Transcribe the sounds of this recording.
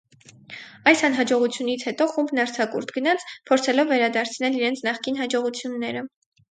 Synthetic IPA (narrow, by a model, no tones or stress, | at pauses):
ɑjsɑnɦɑd͡ʒɔʁut͡sʰjunit͡sʰhɛt̪ɔχumbnɑɾt͡sʰɑkṵɾt̪ʰɡənɑt͡sʰpʰɔɾt͡sʰɛlɔvːɛɾɑd̪ɑɾt͡sʰnɛliɾɛnt͡sʰnɑχkinɦɑd͡ʒɔʁut͡sʰjunːɛɾə